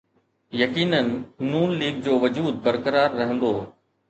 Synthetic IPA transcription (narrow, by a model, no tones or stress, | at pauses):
jɐkiːnənɪːuːnliːɡ̚d͡ʑoːʋɐd͡ʑuːd̪̚bɐɾkəɾaːɾːɐɦə̃n̆d̪oː